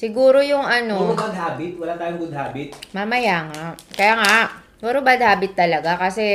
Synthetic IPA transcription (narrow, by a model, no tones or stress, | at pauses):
sɪɡuːɾojʊŋɐnobɐd̪̚ɦaːbɪt̪̚wɐlat̪aːjʊŋɡʊd̪̚ɦaːbɪt̪̚mamɐjaːŋakɐjaːŋa | oɾobɐd̪̚haːbɪt̪ːɐlɐɡakɐsɛ